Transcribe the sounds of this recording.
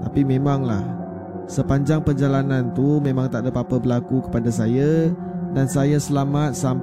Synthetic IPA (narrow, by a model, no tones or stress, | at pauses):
t̪apimẽmaŋla̰h | səpaɲd͡ʒaŋpərd͡ʒalanãnt̪umẽmãŋt̪aʔdapapəbəlakukə̥padasaja | dansajasəlamat̪̚sam